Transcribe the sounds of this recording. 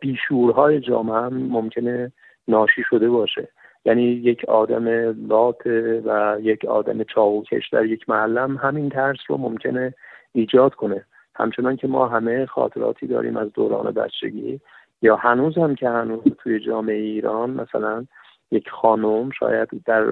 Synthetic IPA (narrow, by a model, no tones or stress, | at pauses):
b̥iːʃuːɾɦɒːje̞d͡ʒɒ̰ːmeæmːomcʲʰe̞ne̞ | nɒːʃiːʃo̞d̪e̞bɒːʃe̞̰ | jæːniːje̞cʰɒːd̪æmelɒːt̪ʰevæjecʰɒ̰ːd̪æ̰me̞t͡ʃʰɒːɣucʰḛʃd̪æ̰ɾje̞cʰmæːlːæmɦæmint̪ʰæɾsro̰momcʰe̞neiːd͡ʒɒːd̪kʰo̞ne̞ | hæ̰mt͡ʃʰe̞nɒːncʲʰe̞mɒ̰ːɦæmexɒ̰ːt̪ʰe̞ɾɒ̰ːt̪ʰiːd̪ɒ̰ːɾḭːmʔæzd̪o̰ːɾɒ̰ːne̞̰bæ̰t͡ʃʰːḛɟḭː | jɒːhænuːzhæmcʰe̞hænuːzt̪ʰuje̞d͡ʒɒːme̞ejeiːɾɒːnmʔæsælæn | jecxɒːnomʃɒ̰ːjæd̪̥d̪æɾ